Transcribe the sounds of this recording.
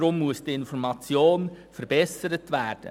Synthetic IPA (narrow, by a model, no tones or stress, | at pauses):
ɾʊmːuəsd̥iɪnfɔɾmɑt͡sjoːn | fəɾbɛsəɾətʋæːɾd̥ə̰